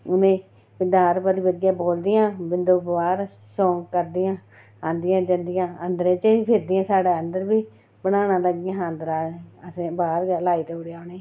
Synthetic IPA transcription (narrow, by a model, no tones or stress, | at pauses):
ʊnẽː | bɪd̪aːɾpəɾiːʋəɾɪjãːboːld̪ɪjãːbɪnd̪oːbʋaːɾ | sõːŋɡkəɾd̪ɪjãː | ãːnd̪ɪjãːd͡ʒənd̪ɪjãːənd̪ɾeːt͡ʃəiːpʰɪɾd̪ɪjãːsaːɽeːənd̪əɾbiː | bəɽaːnaːləɡɪjãːãːnd̪ɾaːeəsẽːbaːɾlaːiːt̪eːʊɽeaːneː